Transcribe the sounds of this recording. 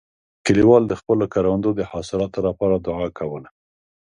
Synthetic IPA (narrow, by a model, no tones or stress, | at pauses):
kəliwɑld̪əxpəlokaɾawand̪od̪əhɑsɪlɑt̪olapɑɾad̪ʊʕakawəla